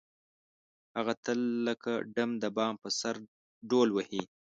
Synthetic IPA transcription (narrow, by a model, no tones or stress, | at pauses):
haɣat̪əlːəkaɖəmd̪əbɑmpəsaɾ | ɖolwəhi